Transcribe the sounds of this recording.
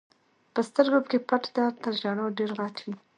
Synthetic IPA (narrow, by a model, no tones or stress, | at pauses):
pəst̪əɾɡopkepaʈd̪ɑɾt̪əɾʒɑɳoɖeɾɣɑt̪wi